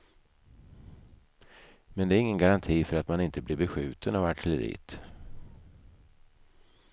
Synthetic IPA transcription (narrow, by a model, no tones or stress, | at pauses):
mɛnd̪ɛæɾɪŋːənɡaɾant̪ʰiːfœɾat̪manɪnt̪əblɪɾbɛɧʉ̟ːt̪ənavaʈʰələɾḭːt̪